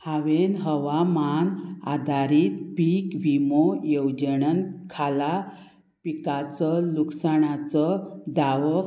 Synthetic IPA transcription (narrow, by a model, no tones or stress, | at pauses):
haʋenɦəʋamana̰d̪ʱaɾiːt̪pikʋimojəwd͡ʑəɳənkʰala | pikat͡səluksaɳat͡səd̪aʋə